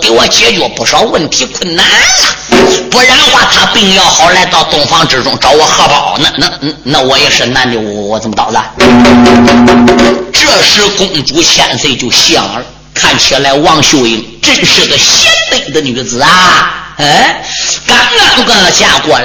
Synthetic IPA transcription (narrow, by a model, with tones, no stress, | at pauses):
ki˧˥wɔ˨˩t͡ɕjɛ˧˥t͡ɕɔ˧˩pu˧˩ʂɑ˥ʊwə˥˩nt̪ʰi˧˥kʰwə˥˩nna˥˩nlɐ˨pu˧˥ɻa˧˥n˧xwa˥˩t̪ʰa˥pi˥˧ŋjɑ˥˩ʊxɑ˧˥ʊla˧˥ɪt̪ɑ˥˧˩ʊt̪ʊ˨˩ŋfɑ˥ŋʈ͡ʂɻ̩˧˩ʈ͡ʂʊ˥ŋʈ͡ʂɑ˧˥ʊwɔ˨˩xɤ˥˧pɑ˨˩˦ʊna˧˩na˥˧˩na˥˩wɔ˧˥jɛ˨˩ʂɻ̩˥˧na˥˧nli˨˩wwɔ˧˩t͡sə˨˩mə˧t̪ɑ̰˨˩ʊla˧˩˧ | ʈ͡ʂɤ˥˧ʂɻ̩˥˩kʊ˧˩ŋt͡su˧˥t͡ɕʰjɛ̰˨˧˩nfɪt͡ɕjo˥˧ʊɕjɑ˥˩ŋ˨˧ | kʰa˥˩nt͡ɕʰi˧˥la˧˥ɪwɑ˥˧ŋɕjo˥˧ʊi˧˥ŋ | ʈ͡ʂə˥˧nʂɻ̩˥˩ɡə˩ɕɛ˥nmi˧˩d̪ə˧ny˨˧˩t͡sɹ̩˨˧˩ɐ˧e˥ka˧˩na˧˥nkə˥˧ə˧˩t͡ɕja˥˩kwɔ˥˩